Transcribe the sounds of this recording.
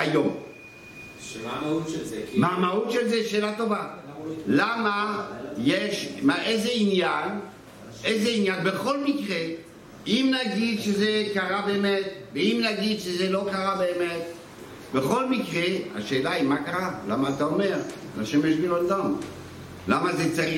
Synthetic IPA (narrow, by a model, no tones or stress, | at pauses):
ajom | mamaut̪ʃelzeʃeːlat̪o̞valamajeʃmaʔejzeinjan | ezeinjanbeχo̞lmikʁe | imnaɡid̪ʃezekaʁabeːmet̪veimnaɡid̪ʃezelo̞kaʁabeːmet̪ | beχo̞lmikʁea̰ʃe̞ːlaimakaʁala̰maːt̪aome̞ʁ | taʃemjeʃbilond̪am | lamazet͡saʁi